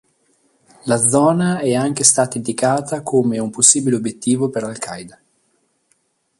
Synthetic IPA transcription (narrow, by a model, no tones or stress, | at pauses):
lad̪zɔːnaɛaŋk̟est̪aːt̪aind̪ikaːt̪akʰoːmeumposːiːbileobjet̪ːiːvopeɾlalkʰajd̪a